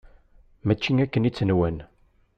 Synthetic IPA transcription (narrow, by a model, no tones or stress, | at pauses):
mæt͡ʃːiŋækːənit͡sːənwæn